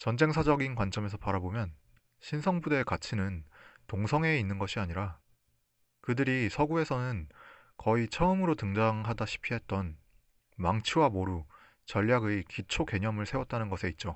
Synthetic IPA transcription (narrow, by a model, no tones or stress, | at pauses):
t͡ɕʌnd͡ʑe̞ŋsʰad͡ʑʌɡinkwant͡ɕ͈ʌme̞s̬ʰʌpaɾabomjʌn | ɕʰinsʰʌŋbude̞kat͡ɕʰinɯntoŋsʰʌŋe̞inːɯnɡʌɕʰiaɲiɾa | kɯdɯɾisʰʌɡue̞sʰʌnɯn | kʌit͡ɕʰʌɯmɯɾotɯŋd͡ʑaŋɦadaɕʰi̥pʰiɦe̞t̚t͈ʌn | maŋt͡ɕʰuwamoɾu | t͡ɕʌʎːjaɡekit͡ɕʰoke̞ɲʌmɯɭsʰe̞wʌt̚t͈anɯnɡʌsʰe̞it̚t͡ɕ͈o